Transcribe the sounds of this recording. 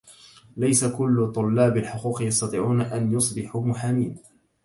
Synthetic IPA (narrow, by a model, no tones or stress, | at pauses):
lajsakʊlːʊt̪ˤʊlːɑːbalħʊquːqjɑst̪ɑt̪ˤɨːʕuːnaʔanjʊsˤbɪħumʊħamiːn